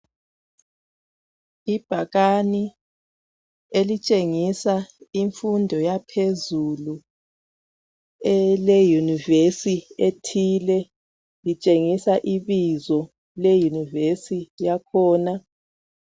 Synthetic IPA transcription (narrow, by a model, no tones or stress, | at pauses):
ib̥ʱaɣani | elit͡ʃʼeŋisaiɱfundʱɔjapʰezulu | ɛlɛjunivesietʰilɛ | lit͡ʃʼeŋisaʔiβizɔ | lejunivesijakʰɔːna